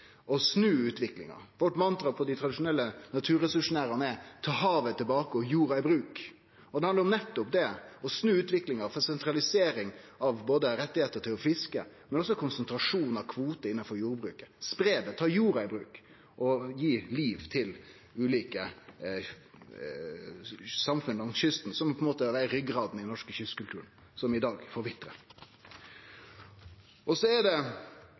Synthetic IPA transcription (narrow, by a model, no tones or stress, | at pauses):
ɔsnʉːʉːt̪ʋɪklɪ̰ŋɑ̰ɾʋɔʈːmɑnt̪ɾɑpʰɔd̪æɪt̪ʰɾɑd̪ɪʂʊnɛlːənɑt̪ʰʉːɾɛsʉʉʂʊnæːɾəmɛt̪ʰɑːɦɑːʋət̪ʰɪlbɑːkəɔjuːɾɑɪbɾʉːk | ɔd̪ɛhɑnɾɔmnɛt̪ːʊpd̪ɛɔsnʉːʉːt̪ʋɪklɪŋɑɾfɔsɛnt̪ɾɑlɪseːɾɪŋɑʋboːd̪əɾɛt̪ːɪheːt̪əɾtʈʰɪlɔfɪskə̰mɛnɔsɔkʰʊnsənt̪ɾɑʂuːnɑʋkʰʋuːt̪əɪnːɑnfɔɾjuːɾbɾʉ̰ːkə̥spɾeːd̪ət̪ʰɑːjuːɾɑɪbɾʉːk | ʔɔjiːliːʋt̪ʰɪl | ʉːliːkə | sɑmfʉnlɑŋɕʏst̪n̩sɔmpʰɔɛnmoːt̪əɑʋæɾɾʏɡɾɑːd̪n̩ɪdnɔʂkəɕʏst̪kʉlt̪ʉːɾən̩ | sɔmɪd̪ɑːɡfɔɾʋɪt̪ːɾə̰ | ʔɔsɔɛɖɛ